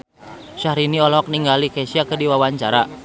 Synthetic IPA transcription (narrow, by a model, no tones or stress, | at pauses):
ʃahɾiniɔlɔk̚niŋɡalikɛsiakərdiwawaɲt͡ʃaɾa